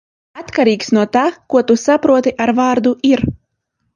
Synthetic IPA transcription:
at̪kaɾiːksnuɔt̪aːkuɔt̪usapɾuɔt̪iʔaɾvaːɾd̪uiɾ

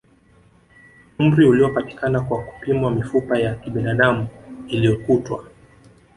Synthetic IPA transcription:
um̩ɾiuliɔpati̥kanakwaku̥pimwamifupajakiɓinaɗamuiliɔkutwa

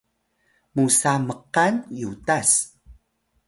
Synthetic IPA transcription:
musaməqanjutas

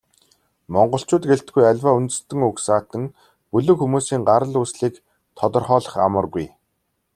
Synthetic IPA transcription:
mɔɴɢɞ̆ɬt͡ɕʊːt̪ɡeɬt̪ɡujæɮʲwaːunt̪ɘ̆st̪ɘ̆ŋɵksaːt̪ə̆ŋ | pɵɮɵ̆kxumuːsiːŋɢaɾə̆ɮuːsɮiːk | t̪ʰɔt̪ɞ̆rχɔːɮə̆χa̰mə̆rɣuj

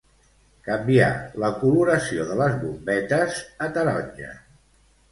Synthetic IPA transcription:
kəmbia̰ləkuluɾəsioðələzβumbɛt̪əzət̪əɾɔɲʒə̰

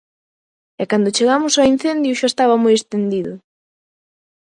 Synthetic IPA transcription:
ɛkand̪ʊt͡ʃeɣamʊsain̟θend̪jʊʃaest̪aβamojest̪end̪iðʊ

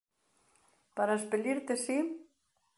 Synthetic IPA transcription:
paɾaspeʎiɾt̪esi

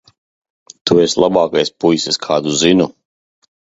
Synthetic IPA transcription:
t̪ueslˠabaːkajspujseskʰaːd̪uzinu

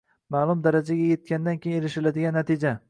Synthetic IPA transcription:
maːlˠʊmd̪aɾad͡ʒaɡʲaje̞t̪̚kʲand̪ankʲʰejĩnelɪʃɪlad̪ɪɡʲanːat̪ʰɪd͡ʒa

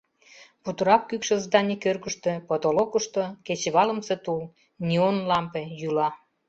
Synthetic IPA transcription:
put̪əɾɑp̚kykʃə̆zd̪ɑnʲikørɣəʃt̪ø̆pot̪olokəʃt̪oket͡ɕβɑlə̆mset̪ul | nʲionlɑmpejulɑ

